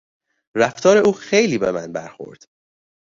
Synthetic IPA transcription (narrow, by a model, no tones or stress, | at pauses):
ræft̪ʰɒːɾe̞ʔuːxejliːbe̞̰mænbæɾxo̞̰ɾd̪̥